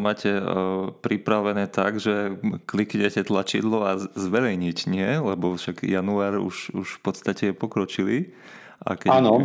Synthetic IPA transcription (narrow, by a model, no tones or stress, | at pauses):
maːcɛpɾipɾaʋɛnɛːt̪aɡʒɛklikɲɛcɛt̪lat͡ʃḭd̪lɔazʋɛɾɛjɲicɲɪɛlɛbɔfʃaɡjanuaːɾṵʃuʃfpɔt̪st̪acɛjɛpɔkɾɔt͡ʃili | ʔa̰kɛanɔ